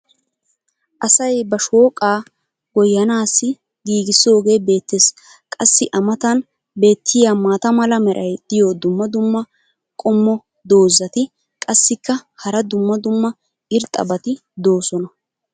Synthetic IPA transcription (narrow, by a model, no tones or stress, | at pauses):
ʔɐsɐjbɐʃoːkʼaː | ɡɔjːɐnaːsːɪ | ɡiːɡɪsːo̞ːɡe̞ːbe̞ːt̪ːes | kʼɐsːɪʔɐmɐt̪ɐn | be̞ːt̪ʰːɪjaːmaːt̪ɐmɐlɐmɛɾʔɐjd̪̥ɪjod̪ʊmːɐd̪ʊmːɐ | kʼɔmːɔ | d̪o̞ːzːɐt̪ɪ | kʼɐsːɪkːɐhɐɾɐd̪ʊmːɐd̪ʊmːɐ | ɪɾt̪ʼːɐ̰bɐt̪ɪ | d̪o̞ːsɔnɐ